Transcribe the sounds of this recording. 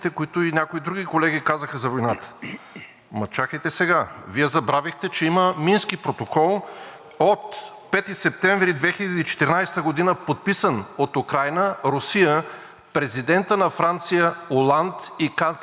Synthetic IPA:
t̪ɛkoit̪ʊinʲakoid̪ɾuɡikolɛɡʲikazəxəzɐvojnat̪ə̥ | mɐt͡ʃaxət̪ɛsɛɡaviɛzɐbɾavixt̪ɛt͡ʃɛiməminskipɾot̪okɔlˠ | ot̪ | pɛt̪isɛp̚t̪ɛ̃ɱvɾid̪vɛxilʲɐd̪iːt͡ʃɛ̥t̪ɛɾnajst̪əɡod̪inəpot̪̚pisənot̪ukɾajnəɾʊsijə | pɾɛzid̪ɛnt̪ənɐfɾant̪sijəolˠant̪ikaz

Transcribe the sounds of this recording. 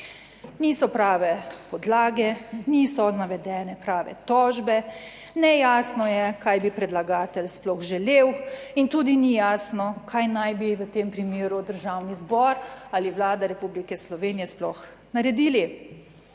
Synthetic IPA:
niːsɔpɾaːʋɛpɔd̪laːɡɛniːsɔnaʋɛd̪ɛːnɛpɾaːʋɛ̰t̪ɔːʒbɛ | nɛjaːsnɔjɛkajbipɾɛd̪laɡaːt̪ɛlsplɔɣʒɛlewint̪uːd̪inijaːsnɔkʰajnajbiʋət̪empɾimeːɾud̪əɾʒaːwnizbɔɾaliʋlaːd̪aɾɛpublikɛslɔʋeːnijɛsplɔx | naɾɛd̪iːli

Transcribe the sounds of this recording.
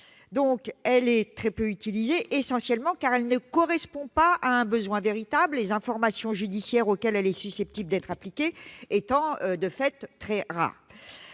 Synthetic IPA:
d̪ɔ̃kɛlɛt̪χɛpøyt̪ilizeʔesɑ̃sjɛlmɑ̃kaʁɛlnəkɔʁɛspɔ̃paʔaɛ̃bəzwɛ̃veʁit̪abllezɛ̃fɔʁmasjɔ̃ʒyd̪isjɛʁokʲɛlɛlɛsysɛp̚t̪ibld̪ɛt̪χaplikʲeːt̪ɑ̃ød̪əfɛt̪ːχɛʁa̰ːʁ

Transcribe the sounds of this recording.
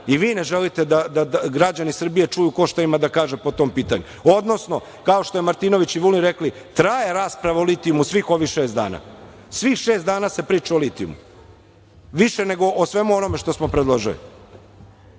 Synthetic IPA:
iʋiːneʒelit̪e̞d̪ad̪aaɡɾad͡ʑanisr̩bije̞t͡ʂujuko̞ʃt̪aimad̪akaːʒepo̞t̪o̞ːmpiːt̪a̰ɲu | o̞d̪no̞sno̞ | kao̞ʃt̪o̞jemaɾt̪ino̞ʋit͡ɕiʋulinɾekli | t̪ɾajeɾaːspɾaʋaolit̪iumusʋixo̞ʋixʃe̞ːst̪d̪a̰ːna̰ː | sʋixʃeːsd̪aːnaːse̞pɾiːt͡ʃaolit̪ijṵmṵ | ʋiʃene̞ɡo̞ʔosʋe̞muo̞no̞me̞ʃt̪o̞smo̞pɾed̪lˠoʒilḭ

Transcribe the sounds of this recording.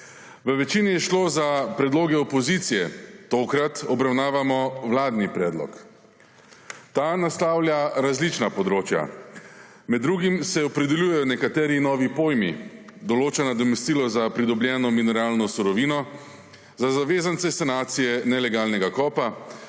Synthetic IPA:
ʋəʋɛt͡ʃinijɛʃloːzapɾɛd̪loːɡɛɔpɔzit̪sijɛt̪oːkɾat̪ɔbɾawnaːʋamɔwlaːd̪nipɾɛːd̪lɔ̰k | t̪aːnast̪aːwlʲjaɾazlit͡ʃnapɔd̪ɾoːt͡ʃja̰ | mɛd̪ːɾuɡimsɛɔpɾɛd̪ɛljujɛjɔnɛkat̪ɛːɾinɔːʋipoːjmḭd̪ɔloːt͡ʃanad̪ɔmest̪iːlɔzapɾid̪ɔblʲjɛːnɔminɔɾaːlnɔsuɾɔʋiːnɔ | zazaʋeːzant̪sɛsɛnaːt̪sijɛnɛlɛɡaːlnɛɡakɔːpa

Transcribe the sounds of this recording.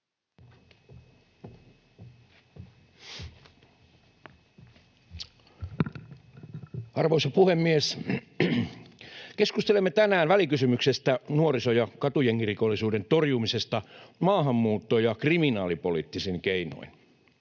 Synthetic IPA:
ɑrʋoisɑpuhemːies | keskust̪elemːet̪ænæːnʋælikysymyksest̪ænuorisojɑkɑt̪ujeŋːirikolːisuːdent̪orjumisest̪ɑmɑːɦɑmːuːt̪ːojɑkriminɑːlipolit̪ːisiŋkeino̰in

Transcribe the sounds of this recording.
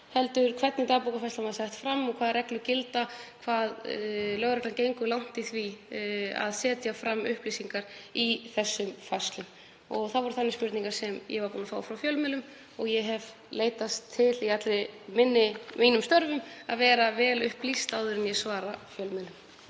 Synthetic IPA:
hɛlt̪ʏɾ̥kʰvɛt̪nɪt̪aːpukafajst̪lamaðsajht̪fɾamːɔkʰvaːðɾɛklʏcɪlt̪akʰvaːðlœɣɾɛk̪lancejŋkʏlawn̥t̪ɪθvi | a̰ðsɛːt̪jafɾamːʏhplisiŋkaɾiθɛsːʏmfajst̪lʏm | ɔɣθaðvɔɾʏθanːɪspʏɾt̪niŋkaɾ̥sɛmjɛ̰vaɾpuːnafaːwfɾawfjœlmɪlʏm | ɔɣjɛɦɛv | leːjt̪ast̪ʰːɪliat̪lɪmɪnːɪmiːnʏmst̪œɾvʏmaðvɛːɾavɛːlʏhplist̪awðʏɾɪnjɛsvaːɾafjœlmɛlʏm

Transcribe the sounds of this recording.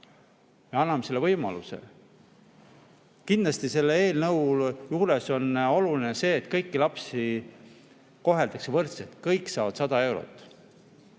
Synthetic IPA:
jeɑnːɑmese̞lːevɤjmɑ̰luse̞̰ | kind̪lɑst̪ise̞lːee̞ːlnɤwljuːɾeso̞no̞lulinese̞ːt̪kɤjkːilɑpsi | ko̞ɦe̞ld̪̥ɑksevɤrt̪set̪ˑkɤjkːˑsɑːvɑd̪sɑd̪ɑe̞wɾo̰t̪ːˑ

